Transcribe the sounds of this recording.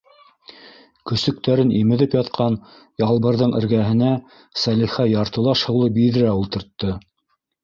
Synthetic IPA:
kɵ̆sɵ̆k̚t̪æɾɘnʔimɘ̆ðɘpjɑt̪̚qʰɑn | jɑlˠβɤ̆ɾðɤɴɘ̰̆ɾɡæɦɘ̆næ | sæliχæjɑɾt̪ɤ̆lˠɑʃhɤ̆wlˠɤbiðɘ̆ɾæulˠt̪ɤ̆ɾt̪ːɤ

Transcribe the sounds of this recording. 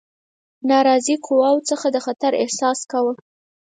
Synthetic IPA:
nɑɾɑziqʰʊwɑwt͡səxad̪əxat̪aɾɪ̰hsɑskawə

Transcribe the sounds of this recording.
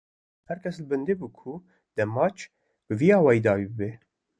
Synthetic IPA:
hɛɾkʰʲɛsləbɨnd̪ebuːkʰu | d̪̥ɛmːɑːt͡ʃʰ | b̥əviːɑːwɑːjid̪ɑːwibɨbe

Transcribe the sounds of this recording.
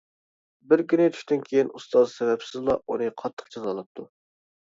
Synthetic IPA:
bɪɾkʲynɪt̪ʰy̥ʃt̪ɪnkʲʰejinust̪ɑzsvɛpsɪzlˠɑunɨqʰɑt̪ʰːə̥χt͡ʃʰɑzɑlˠɨp̚t̪ʰu

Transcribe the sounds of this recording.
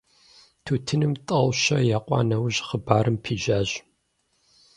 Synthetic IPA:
tʰuːtʰɨnɨmtʼɐwʃɐjaːqʷʼɑ̰ːnɐwʑχəbaːɾɨmpʰiːʒaːʑ

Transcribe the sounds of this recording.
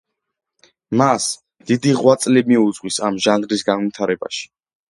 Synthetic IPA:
mas | d̪̥id̪iʁwat̪sʼlimiud̪zʁwisamʒanɾisɡanvit̪ʰaɾɛba̰ʃi̥

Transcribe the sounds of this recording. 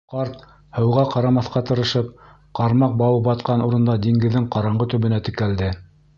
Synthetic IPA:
qɑɾt̪ | hɤ̆wʁɑqɑɾɑmɑθqɑt̪ɤ̆ɾɤ̆ʃɤp̚ | qɑɾmɑq̚bɑwɤp̚bɑt̪qɑnuɾɤ̆nd̪ɑd̪iŋɡɘ̆ðːɘŋqɑɾɑɴɢɤt̪ɵ̆βɘ̆næt̪ɘ̆kæld̪ɘ

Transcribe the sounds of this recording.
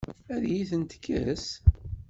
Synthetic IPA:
æðjiθənt̪ə̥kʰːæ̰s

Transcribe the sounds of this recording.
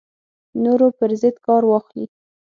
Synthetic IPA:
noɾopəɾzəd̪kɑɾwɑxli

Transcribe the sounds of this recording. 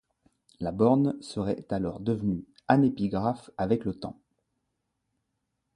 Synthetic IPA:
labɔʁnsəʁɛt̪alɔʁd̪əvny | anepiɡʁafavɛklət̪ɑ̰̃

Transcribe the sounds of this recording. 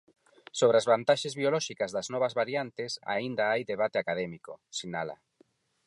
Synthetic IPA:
soβɾeazβant̪aʃezβiolɔʃikazðaznɔβ̞azβaɾjant̪esa̰ind̪aajðeβat̪eakað̞ɛmikosinala̰

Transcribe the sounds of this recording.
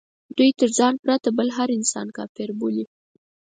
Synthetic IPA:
d̪̥ujt̪əɾzɑnpɾat̪abəlɦaɾɪnsɑ̰nkɑ̰fɪɾboli

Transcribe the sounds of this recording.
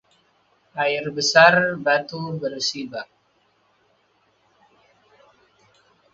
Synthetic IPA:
ʔaɪrbəsarbat̪ubərsibak̚

